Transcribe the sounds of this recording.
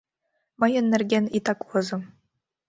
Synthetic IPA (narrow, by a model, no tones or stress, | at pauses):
mɤjɤ̆nʲːɘ̆rʲɡʲenʲit̪ɑkʋɤ̆zɤ̆